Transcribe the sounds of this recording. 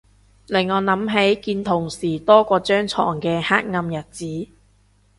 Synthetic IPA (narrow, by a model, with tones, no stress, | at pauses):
lɪ˨˩ŋːɔː˨nɐ˨˥mɦe˨˥jkiː˧nt̪ʰʊ˨˩ŋsiː˨˩t̪ɔː˥kʷɔː˧t͡ʃœː˥ŋt͡ʃʰɔ̰ː˨˩ŋkɛː˧haː˥k̚ŋɐ˧mjɐ˨˩t̚t͡siː˨˥